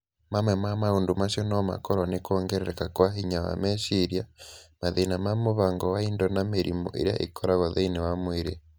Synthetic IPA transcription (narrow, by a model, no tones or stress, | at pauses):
mamwɛmamaoːndomaʃɔnɔma̰kɔɾwanekɔːŋɡɛɾɛɾɛkakwaɦiɲawa̰mɛʃiɾjamaðeinamamoβaŋɡɔwaindɔnameɾḭmɔ̰ʔḛɾja̰ʔḛkʰɔɾaɣɔðeinewamweɾe